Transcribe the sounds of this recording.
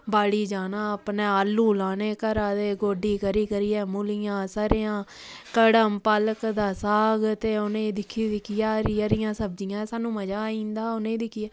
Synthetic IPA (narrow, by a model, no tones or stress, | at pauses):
baːɽiːd͡ʒaːnaːəpneːəluːlaːneːkəɾaːd̪eːɡoːɖiːkəɾiːkəɾiːɛːmʊlɪjãːsaːɾejãː | kəɽəmpələkd̪aːsaːɡt̪eːonẽːd̪ɪkʰːiːd̪ɪkʰːɪjaːɾiːəɾɪjãːsəb̚d͡ʒɪjãːsaːnũːməd͡ʒaːĩːnd̪aːonẽːd̪ɪkʰːɪjaː